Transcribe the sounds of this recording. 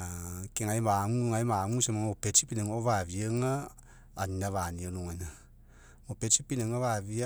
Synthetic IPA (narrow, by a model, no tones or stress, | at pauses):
akeŋajmaŋuŋajmaŋusemaŋopet͡ʃipineŋoβaβieŋaː | ninaβanionoŋajna | opet͡ʃipineŋoβaβia